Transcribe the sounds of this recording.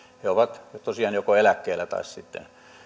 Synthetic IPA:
heoʋɑt̪t̪osiɑːnjokoelækːeːlːæt̪ɑ̰issit̪ːḛn

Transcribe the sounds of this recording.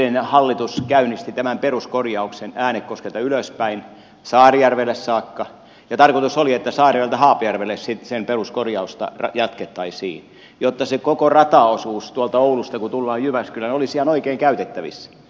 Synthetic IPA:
enhɑlːit̪uskæynist̪it̪æmæmperuskorjɑuksenæːnekkoskelt̪ɑyløspæin | sɑːrijærʋelːˑessɑːkːɑ | jɑt̪ɑrkot̪usoliet̪ːæsɑːrijælt̪æhɑːpojærʋelːˑessisemperuskorjɑust̪ɑ̰rɑjɑt̪ket̪ːɑisḭːn | jot̪ːɑsekokorɑt̪ɑosuːst̪uɑlt̪ɑoulust̪ɑkut̪ulːɑːjjyʋæskylːˑænolisiɑnoikeiŋkæyt̪et̪ːæʋḭsːæ̥

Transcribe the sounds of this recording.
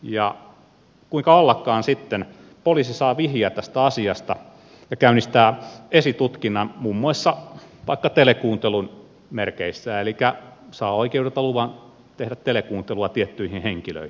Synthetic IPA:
jɑ̰ | kuiŋkɑɑlːɑkːˑɑːnsit̪ːen | polisisɑːʋihiæt̪æst̪æɑsiɑst̪ɑ | jɑkæynist̪æesit̪ut̪kinːɑnmumːuɑisːɑʋɑikːɑt̪elekuːnt̪elun | merkeisːæːelikæsɑːoikeuet̪ɑluʋɑn | t̪ehdæt̪t̪elekuːnt̪eluɑt̪iet̪ːyihĩnheŋkilø̰ihi̥

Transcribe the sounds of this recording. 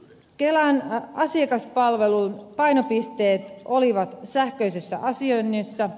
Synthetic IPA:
kelænɑsiɑkɑspɑlʋe̞lunpɑjno̞pist̪e̞ːt̪o̞liʋɑt̪sæhkø̞jsesːæ̰ʔɑsionːisːæ

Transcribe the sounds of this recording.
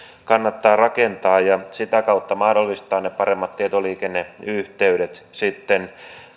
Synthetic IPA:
kɑnːɑt̪ːɑːrɑkent̪ɑːjjɑsit̪ækɑut̪ːɑmɑhdolːist̪ɑːnepɑɾemːɑt̪t̪ːiet̪oliːkenːeyht̪eyɾet̪sit̪ːen

